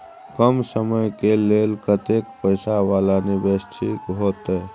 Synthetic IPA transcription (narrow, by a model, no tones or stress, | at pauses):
kəmsəməjkeleːlkət̪ekpəɪsaʋaːlanibest̪ʰikɦot̪ɛ